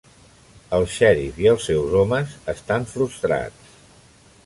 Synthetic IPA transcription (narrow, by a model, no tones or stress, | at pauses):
əlˠʃɛɾiziəlˠsːɛwzɔməzəst̪aɱfɾust̪ɾa̰t͡s